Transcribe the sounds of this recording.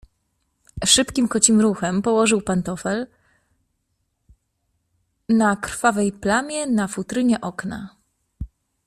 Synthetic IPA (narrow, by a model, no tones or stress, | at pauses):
ʂɘpkʲimkɔt͡ɕimɾuxɛmpɔwɔʐɘwpant̪ɔfɛl | nakɾfavɛjplamʲjɛnafut̪ɾɘɲɛʔɔkna